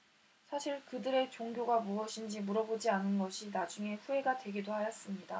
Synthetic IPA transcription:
sʰaɕʰiɭkɯdɯɾe̞t͡ɕoŋɡjoɡamuʌɕʰind͡ʑimuɾʌbod͡ʑianɯnɡʌɕʰinad͡ʑuŋe̞ɸue̞ɡadwe̞ɡidohajʌs͈ɯmɲida

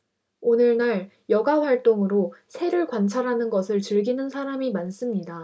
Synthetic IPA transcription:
onɯɭnaɾ | jʌɡaɸwaɭt͈oŋɯɾosʰe̞ɾɯɭkwant͡ɕʰaɾɦanɯnɡʌsʰɯɭt͡ɕɯɭɡinɯnsʰaɾamimans͈ɯmɲida

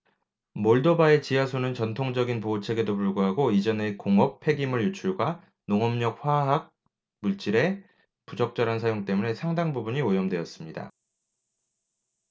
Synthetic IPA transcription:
moɭdobae̞t͡ɕiasʰonɯnt͡ɕʌntʰoŋd͡ʑʌɡinpoːt͡ɕʰe̞ɡe̞dopuɭɡuɦaɡoid͡ʑʌnekoŋʌpʰe̞ɡimɯɭjut͡ɕʰuɭɡwa | noŋʌmɲʌk̚ɸwaɦak̚ | muɭt͡ɕ͈iɾe̞ | pud͡ʑʌk̚t͡ɕ͈ʌɾansʰajoŋt͈e̞mune̞sʰaŋdaŋbubuɲiojʌmdwe̞ʌs͈ɯmɲida̰

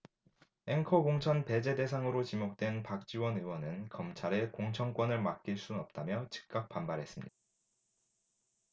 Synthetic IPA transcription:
e̞ŋkʰʌɡoŋt͡ɕʰʌnpe̞d͡ʑe̞de̞sʰaŋɯɾot͡ɕimok̚t͈we̞npak̚t͡ɕ͈iwʌnɯwʌnɯnkʌmt͡ɕʰaɾe̞koŋt͡ɕʰʌŋk͈wʌnɯɭmak̚k͈iɭs͈uʌp̚t͈amjʌt͡ɕɯ̥k̚k͈ak̚p͈ambaɾɦe̞s͈ɯmɲid̥ḁ

